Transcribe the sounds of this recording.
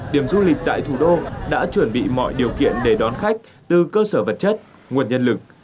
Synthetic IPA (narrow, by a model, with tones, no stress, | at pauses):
ɗi˧˩əmzu˧lï˨˩k̟̚t̪a̰ː˧˨jt̪ʰu˧˩ɗo˧ɗa̰ː˧˥t͡ɕwə˧˩nɓḭ˧˨mɔ̰˧˨jɗi˨˩əwkḭ˧˨ənɗe˧˩ɗɔ˨˦nxa˦˥jk̟̚ | t̪ɨ˨˩kəː˧səː˧˩və˨˩t̚t͡ɕə˦˥t̚ | ŋu˨˩ənɲə˧nlɨ˨˩k̚